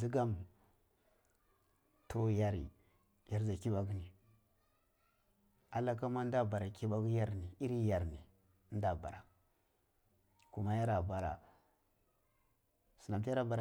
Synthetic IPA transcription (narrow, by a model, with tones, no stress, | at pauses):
i˦ɡa˦m˨ | tʰo˦ja˦ɾḭ˨ | ja˦ɾza˨ki˦ɓa˦ɡni˨ | a˨la˦ka˦ma˦n˦da˦˨ba˨ɾa˨ki˦ɓa˦ɡja˦ɾni˨i˦ɾi˦ja˨ɾni˨˦ | n˦da˦˨ba̰˨ɾa˨ | ku˦ma˦ja˦ɾa˨ba˨ɾa̰˨ | su˨na˨mti˦ja˦ɾa˨ba˨ɾ